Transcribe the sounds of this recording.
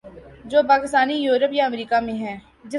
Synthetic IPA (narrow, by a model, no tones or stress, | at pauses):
d͡ʒoːpaːkɪst̪aːnijuːɾəpjaɐmɾiːkamẽɦɛ̃ː | d͡ʒɪ